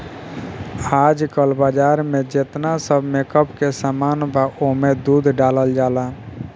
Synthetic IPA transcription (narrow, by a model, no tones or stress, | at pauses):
aːd͡ʒkəlbaːd͡ʒaːɾmẽd͡ʒet̪nasəbʱmekəpkesamaːnbʱaomed̪uːd̪ʱɖaːləld͡ʒaːla